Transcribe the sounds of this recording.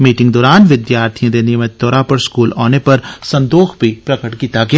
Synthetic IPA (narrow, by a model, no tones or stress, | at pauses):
miːʈɪ̃ŋɡd̪ɔːɾaːnʋɪd̪jaːɾt̪ʰijãd̪eːnemẽt̪ɔːɾapɐɾskuːla̰ːnepɐɾsɐ̃nd̪oːxbʱipɾɐkəʈkiːt̪aɡea